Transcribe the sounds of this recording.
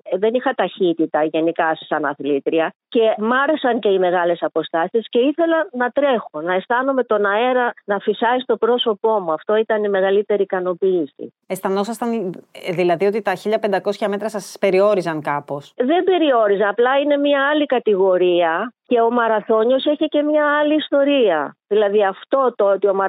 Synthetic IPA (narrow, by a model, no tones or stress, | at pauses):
ðe̞nixɐt̪ɐçit̪it̪ɐʝe̞nikɐsesɐnɐθlit̪ɾiɐce̞mɐɾesɐnce̞ime̞ɣɐle̞sɐpo̞st̪ɐsisce̞iθe̞lɐnɐt̪ɾe̞xonɐe̞st̪ɐno̞me̞t̪o̞nɐe̞ɾɐnɐfisɐist̪o̞pɾo̞so̞po̞muɐft̪o̞it̪ɐnime̞ɣɐlit̪e̞ɾikɐno̞piːsḭ | est̪ɐnosɐst̪ɐnðilɐðio̞t̪it̪ɐçiʎɐpend̪ɐko̞sçɐme̞t̪ɾɐsɐspe̞ɾio̞ɾizɐŋkɐpo̞sðe̞be̞ɾio̞ɾizɐnɐplɐine̞mɲɐɐlikɐt̪iɣo̞ɾiɐce̞o̞mɐɾɐθo̞ɲo̞seçece̞mɲɐɐliːst̪o̞ɾiɐ̰ðilɐðiɐft̪o̞t̪oot̪io̞mɐ